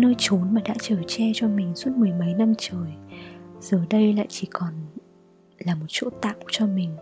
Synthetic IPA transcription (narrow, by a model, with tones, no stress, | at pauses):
nəː˧jt͡ɕo˨˦nmaː˨˩ɗa̰ː˧˥t͡ɕəː˧˩t͡ɕɛ˧t͡ɕɔ˧mï˨˩ŋ̟su˦˥ət̚mɨ˨˩əjmə˨˦jna˧mt͡ɕəː˨˩jz̥əː˨˩ɗə˧jla̰ː˧˨jt͡ɕi˧˩kɔ˨˩n | laː˨˩mo˨˩t̚t͡ɕo̰˧˥t̪a̰ː˧˨wt͡ɕɔ˧mï˨˩ŋ̟